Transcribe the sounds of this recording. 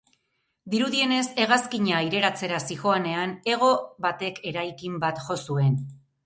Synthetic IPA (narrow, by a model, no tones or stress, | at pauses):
d̪iɾuðie̞ne̞se̞ɣaskiɲaiɾe̞ɾat͡se̞ɾasixo̞ane̞ane̞ɣ̞o̞βat̪e̞kʰe̞ɾajkimbat̪ʝo̞sue̞n